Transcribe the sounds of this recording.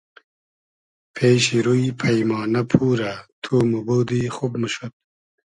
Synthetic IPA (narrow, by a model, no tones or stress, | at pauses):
pʰeːɕiɾujpʰɐjmɑːnɐpʰuːɾat̪ʰuːmubowd̪iːxubmuɕot̪̚